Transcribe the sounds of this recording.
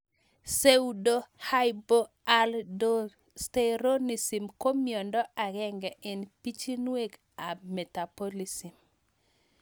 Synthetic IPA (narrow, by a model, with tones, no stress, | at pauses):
se˦udo˦ha˦jbo˦ | a˦ldo˦ | steɾo˦ni˨si˨mko˦mjɔ˨ndɔ˦a˨ɡɛ˦ŋɡɛ˨ɪ˨npi˦t͡ʃi˦nwe˦ɡ | a˨mɛ˨ta˨po˦li˨si˨m